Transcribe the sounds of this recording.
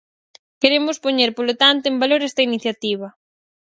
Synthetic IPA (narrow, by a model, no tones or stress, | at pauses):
keɾemʊspoɲeɾpolot̪ant̪oembaloɾɛst̪ɐiniθjat̪iβ̞ɐ